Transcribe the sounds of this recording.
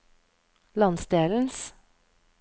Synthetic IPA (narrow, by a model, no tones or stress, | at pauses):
lɑnsd̪eːln̩s